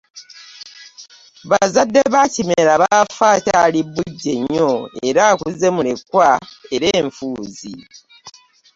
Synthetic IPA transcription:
βazadːeβacimeɾaβafaːtalibuɟːe̞ɲːo̞e̞̰ɾaːkuze̞mulekːwae̞ɾe̞ːɱfuːzḭ

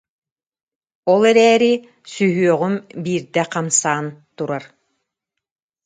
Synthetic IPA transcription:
ɔlˠɛɾɛːɾi | syɦyœʁymbiːɾd̪ɛqamsaːnt̪uɾaɾ

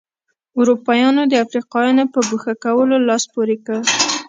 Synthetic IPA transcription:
ʊɾupɑjɑnod̪əafɾiqɑjɑnopəbuxakawəlolɑspoɾekə

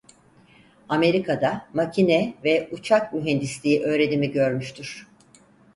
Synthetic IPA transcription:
ame̞ɾikʰad̪amacʰinɛvɛut͡ʃʰakmyɦɛnd̪islʲiiʔø̞ːɾe̞d̪imiɟø̞ɾmyʃt̪ʰyɾ̝̥

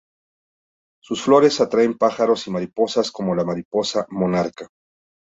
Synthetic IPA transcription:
susflo̞ɾe̞sat̪ɾaempaxaɾo̞simaɾipo̞sasko̞mo̞lamaɾipo̞samo̞naɾka

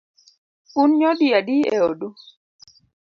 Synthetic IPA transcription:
unɲɔdiadiḛoɗu

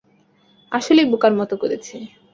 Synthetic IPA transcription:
aʃolejbukaɾmɔt̪okoɾet͡ɕʰe

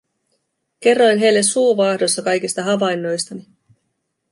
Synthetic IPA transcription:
ke̞rːojnɦe̞jlːe̞suːʋɑhdo̞sːɑkɑjkist̪ɑɦɑʋɑjnːo̞jst̪ɑni

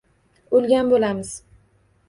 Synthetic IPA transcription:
ʊlˠɡʲanbolamɪz̥

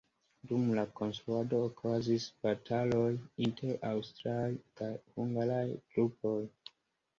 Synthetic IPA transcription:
dumlako̞nstɾuado̞ːkʰazisb̥atʰalo̞jintʰeɾawstɾajkajhuŋɡalajɡ̥ɾupo̞j

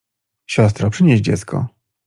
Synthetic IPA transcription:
ɕɔs̬t̪ɾɔpʂɘɲeʑd͡ʑɛ̰t̪skʰɔ̰

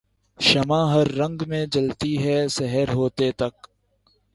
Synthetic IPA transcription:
ʃɐmãːɦɐɾːɐ̃ŋɡmẽd͡ʒɐlt̪iɦɛsɛɦəɾɦoːt̪et̪ɐk

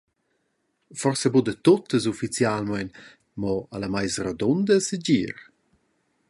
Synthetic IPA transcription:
fɔrsɛbud̪ət̪ot̪əzufit͡sjalmajn | mɔalamajsrad̪ɔnd̪əsəd͡ʑiɾ

